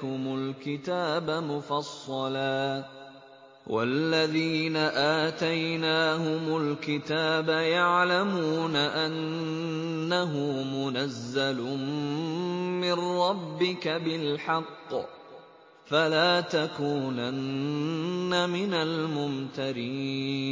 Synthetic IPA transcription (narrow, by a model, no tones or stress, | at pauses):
hʊmʊlkɪt̪aːbamʊfɑsˤːɑlaː | wʔa̰lːaðiːnaʔaːt̪ajnaːhʊmʊlkɪt̪aːbajaʕlamuːnaʔanː | aɦʊmʊnazːal | mɪnɾːˤɑbːɪkabɪlħɑqː | falaːt̪akuːnanː | amɪnalmʊmt̪aɾiːn